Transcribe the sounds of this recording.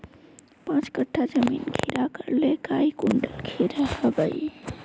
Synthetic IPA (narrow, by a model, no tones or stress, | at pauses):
pãt͡ʃkəʈʰːad͡ʒəmḭnkʰiɾakəɾlekaikuɳɖəlkʰiɾəhəbə̰j